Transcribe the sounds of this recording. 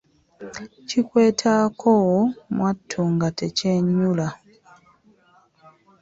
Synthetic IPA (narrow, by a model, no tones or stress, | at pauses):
cikwe̞ːtʰakʰowomwʔatʰːuːŋɡateceɲːula